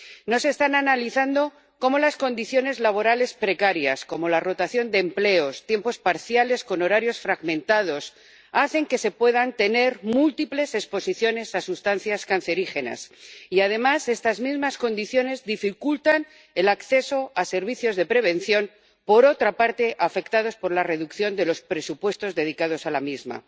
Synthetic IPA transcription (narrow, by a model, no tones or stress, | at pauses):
no̞se̞ːst̪ananaliθand̪o̞ | ko̞mo̞lasko̞nd̪iθjo̞ne̞zlaβ̞o̞ɾale̞spɾe̞kaɾja̰sko̞mo̞laro̞t̪aθjo̞nd̪e̞ːmple̞o̞st̪je̞mpo̞spaɾθjale̞sko̞no̞ɾaɾjo̞sfɾaɣmẽ̞nt̪að̞o̞s | aθe̞ŋke̞se̞pwe̞ð̞ant̪e̞ne̞ɾmult̪iple̞se̞spo̞siθjo̞ne̞sasust̪an̟θjaskan̟θe̞ɾixe̞na̰siaðe̞mase̞st̪azmizmasko̞nd̪iθjo̞ne̞zðifikult̪an | e̞lakθe̞so̞ase̞ɾβ̞iθjo̞zðe̞pɾe̞β̞e̞n̟θjo̞n | po̞ɾo̞t̪ɾapaɾt̪e̞ʔafe̞kt̪að̞o̞spo̞ɾlare̞ðukθjo̞nd̪e̞lo̞spɾe̞supwe̞st̪o̞zðe̞ðikað̞o̞salamizma̰